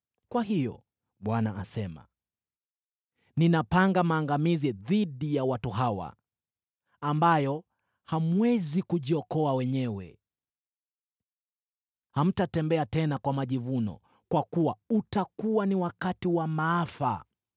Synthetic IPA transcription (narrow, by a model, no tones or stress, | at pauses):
kwaɦijɔ̰ | ɓwana̰asɛma̰ | ninapaŋɡamaːŋɡamiziðiɗijawatuɦawa̰ | mbajɔ | hamwɛzikuʄiɔkɔawɛɲɛwɛ̰ | ham̩tatɛmbɛatɛnakwamaʄivunɔ̰ | kwakuwautakuwaniwakatiwamaafa̰